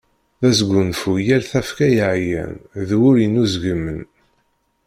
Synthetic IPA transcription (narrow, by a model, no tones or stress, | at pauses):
ðæsɡʷunfujæɾθæfkæjəʕjæ̰nðwʊɾinuzɡəmːən